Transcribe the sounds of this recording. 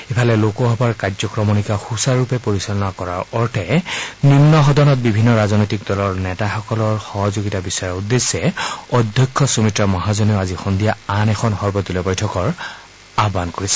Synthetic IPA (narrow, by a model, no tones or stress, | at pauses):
epʰalɛlokɔɦɔbaɹkad͡ʒzɔkɹɔmonikaxusaɹupɛpoɹisalɔnakɔɹa̰ɹɔɹtʰɛninːɔɦɔdɔnɔt̚bibʱinːɔɹaznɔjtik̚dɔlɔɹnɛtaxɔkɔlɔɹxɔɦɔzoɡitabisaɹɔudːesːɛɔdʱjɔkʰːɔsumitɹɔmɔɦazɔnioazixɔndijaanɛxʰɔnxɔɹbɔdulɛbɔjtʰɔkɔɹ | abankoɹisɛ̥